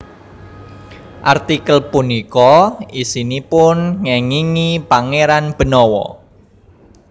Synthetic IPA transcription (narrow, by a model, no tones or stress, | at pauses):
ʔart̪ikəlpunikɔisinipʊnŋɛŋiŋipaŋeɾanb̥ə̤nɔwɔ̰